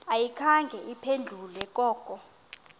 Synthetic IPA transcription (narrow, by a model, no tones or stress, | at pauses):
ajikʰaŋɡʱɛʔipʰend͡ɮʱulɛkʼɔːkʼɔ